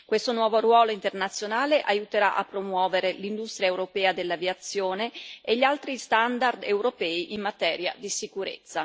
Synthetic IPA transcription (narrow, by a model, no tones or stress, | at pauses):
kwest̪onwɔːvoɾwɔːloint̪ernat̪sːjonaːleʔajut̪eɾaʔa̰pːɾomwɔːveɾelind̪ust̪ɾjaewɾopɛːad̪elːaviat̪sːjoːneeʎːialt̪ɾist̪and̪ard̪ewɾopɛːiʔimmːat̪ɛːɾja̰d̪isikuɾḛt̪sːa